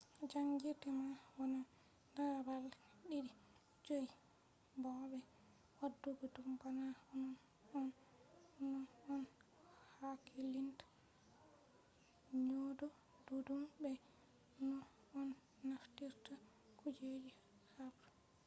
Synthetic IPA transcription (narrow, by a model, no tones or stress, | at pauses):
d͡ʒaŋɡiɾtɛmawana | nabal | ɗiɾi | d͡ʒoj | bɔbɛ | wadːuɡɔdumbanaɔnɔ | ɔn | nːɔɔn | hakʰilintḁ | ɲodɔ | dudumbɛ | nɔː | nː | aftiɾta | kud͡ʒed͡ʒi | habɾu